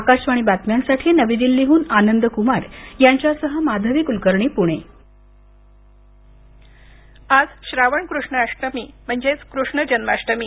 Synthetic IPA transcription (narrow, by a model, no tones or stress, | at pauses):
akaɕʋaɽ̃ibat̪mjansaʈʰiːnəʋid̪ilːiɦuːnanənd̪əkumaɾjaɲt͡ɕjasəɦəmad̪ʱəʋikulkəɾɳipuɽ̃e | ad͡zɕɾaʋəɳkɾuʂɳəaʂʈəmiːm̤əɳd͡ʑet͡skɾuʂɳəd͡ʑənmaʂʈəmiː